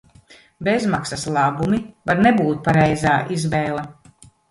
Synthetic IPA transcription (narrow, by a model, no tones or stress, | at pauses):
bezmaksaslˠabumivaɾnebuːt̪̚paɾɛjzaːʔizvɛːlˠa